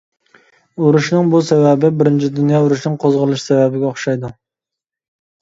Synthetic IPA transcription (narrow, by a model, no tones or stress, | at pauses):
uɾuʃnɨŋbusɛvɛbɪbɪɾɪnt͡ʃʰid̪unjɑuɾuʃnɪŋqʰozʁəlˠɨʃsɛvɛbɪɡʲɛoχʃɑjd̪u